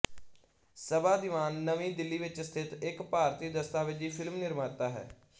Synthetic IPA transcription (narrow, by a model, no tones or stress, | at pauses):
səbaːd̪ɪʋaːnːəʋĩːd̪ɪlːiːʋɪt͡ʃst̪ʰɪt̪ɪkpaːɾt̪iːd̪əst̪aːʋɪt͡ʃiːpʰɪlmnɪɾmaːɾt̪aːɦɛ̰ː